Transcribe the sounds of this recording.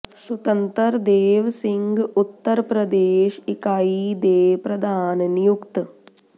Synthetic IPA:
sut̪ɐnt̪ɐɾd̪eːʋsiŋɡut̪ːɐɾpɾɐd̪eːʃikaːid̪eːpɾɐd̪ʱaːnnjukt̪

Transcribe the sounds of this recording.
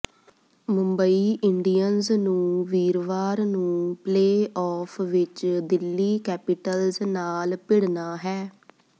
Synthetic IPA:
mʊ̃mbəiːʔɪɳɖiːjənznũːʋiːɾʋaːɾnũːpleːɔːpʰʋɪt͡ʃd̪ɪlːiːkɛːpɪʈəlznaːlpɪɽnaːɦɛː

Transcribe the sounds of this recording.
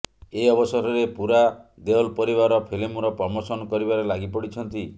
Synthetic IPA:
eɔbɔsɔɾɔɾepuɾad̪eɔlpɔɾiβaɾɔpʰilimuɾɔpɾɔmosɔnɔkɔɾibaɾelaɡipɔɽit͡ʃʰɔnt̪i

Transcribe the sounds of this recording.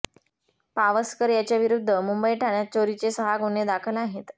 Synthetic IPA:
paʋəskəɾjat͡ɕjaʋiɾud̪ʱːəmumbəiʈʰaɳjat͡ɕoɾit͡sesəɦaɡoɳed̪akʰəlaɦet̪

